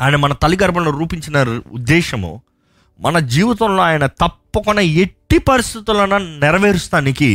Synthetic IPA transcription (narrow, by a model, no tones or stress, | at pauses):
aːjnemɐnɐt̪ɐliɡɐɾbɐluɾuːpiɲt͡ʃinɐɾ̰ṵd̪ːɛːʃɐmṵ | mɐnɐd͡ʒiːʋit̪ɐmlo̞ːaːjɐnɐt̪ɐpːɐkunːɐeʈːipɐɾist̪it̪ulɐnɐnɛɾɐʋeːɾust̪aːniki